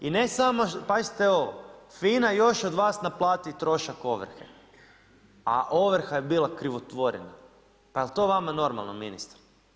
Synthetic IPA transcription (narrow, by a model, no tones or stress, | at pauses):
ine̞samopazi̥t̪eoofiːnajo̞ʃod̪ʋaːsnaplˠaːt̪it̪ɾo̞ʃako̞ʋr̩xḛ | a̰ʔo̞ʋɾ̩xajebiːlˠakɾiʋot̪ʋo̞ɾḭna̰ | paelt̪o̞ːʋamano̞ɾma̰lˠnominist̪ɾ